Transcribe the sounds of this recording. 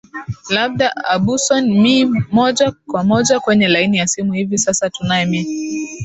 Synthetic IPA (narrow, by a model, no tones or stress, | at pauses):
laɓ̚ɗaaɓusɔnmimɔʄakwamɔʄakwɛɲɛlainijasimuhivisasatunajɛmi